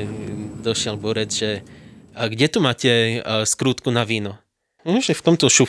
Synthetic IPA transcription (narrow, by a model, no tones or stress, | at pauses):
d̪ɔʃɪɛlbɔɾɛd͡zʒɛ | ɡɟɛt̪umaːcɛskɾuːt̪kunaʋiːnɔ | ʒɛft̪ɔmt̪ɔʃu